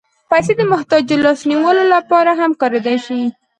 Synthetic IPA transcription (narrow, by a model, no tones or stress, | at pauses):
pajs̬ed̪əmʊht̪ɑd͡ʒd̪əlɑsniwəlolapɑɾaɦamkɑɾed̪ajʃi